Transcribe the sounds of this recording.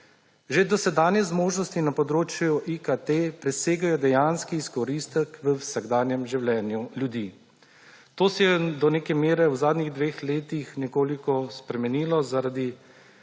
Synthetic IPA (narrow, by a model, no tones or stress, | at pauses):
ʒed̪ɔsɛd̪aːnjɛzmoːʒnɔst̪inapɔd̪ɾoːt͡ʃjuʔikat̪epɾɛseːɡajɔd̪ɛjanskiːskɔɾist̪ɛkʋəwsaɡd̪aːnjɛmʒiwlɛːnjulʲjud̪iː | t̪oːsɛjɛd̪ɔneːkɛmeːɾɛwzaːd̪niɣd̪ʋeːxleːt̪ixnɛkoːlikɔspɾɛmɛniːlɔzaɾad̪i